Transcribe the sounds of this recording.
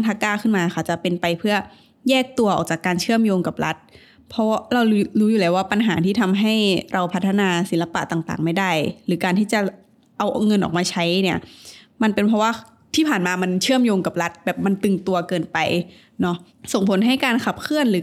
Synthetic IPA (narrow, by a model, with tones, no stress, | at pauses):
ntʰaː˧˥kaː˥˩kʰɯ˥˩nmaː˧kʰa˧˩wt͡ɕa˨˩pe˧npa˧jpʰɯ˥˩ɐ | jɛː˥˩k̚t̪u˧ɐʔɔ̰ː˨˩k̚t͡ɕaː˨˩kːaː˧nt͡ɕʰɯ˥˩əmjoː˧ŋka˨˩p̚ɾa˦˥t̪̚ | pʰɔ˦˥ɾa˧wluː˦˥juː˨˩lɛː˧˩waː˥˩pa˧nɦa̰ː˩˦t̪ʰiː˥˩t̪ʰa˧mɦa˥˩jɾʔa˧wpʰa˦˥t̪ʰːa˧naː˧si˨˩˦nla˧pa̰˨˩ʔt̪aː˨˩ŋt̪a̰ː˨˩ŋma˥˩jda˥˩jɾɯː˩˦kaː˧nt̪ʰiː˥˩t͡ɕa˨˩ | ʔa˧wŋɤ˧nʔɔ̰ː˨˩k̚maː˧t͡ɕʰa˦˥jni˥˩ɐ | ma˧npe˧npʰɔ˦˥waː˥˩ | t̪ʰiː˥˩pʰaː˨˩nmaː˧ma˧nt͡ɕʰɯ˥˩əmjoː˧ŋka˨˩p̚ɾa˦˥t̪̚bɛː˨˩p̚ma˧nt̪ɯ˨˩ŋt̪u˧ɐkɤː˧npa˧j | nɔ˦˥ | so˨˩ŋpʰo˩˦nɦa˥˩jkaː˧nkʰa˨˩p̚kʰɯ˥˩ənɾɯː˨˦